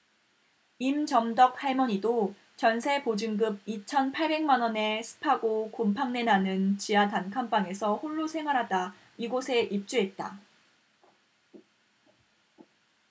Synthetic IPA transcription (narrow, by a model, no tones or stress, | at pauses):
imt͡ɕʌmdʌk̚haɭmʌɲido | t͡ɕʌnsʰe̞pod͡ʑɯŋɡɯb̚it͡ɕʰʌnpʰaɭbe̞ŋmanwʌne̞sʰɯ̥pʰaɡokompʰaŋne̞nanɯnt͡ɕiatankʰampaŋe̞sʰʌhoɭːosʰe̞ŋɦwaɾɦada | iɡosʰe̞ʔip̚t͡ɕ͈uɦe̞t̚t͈a̰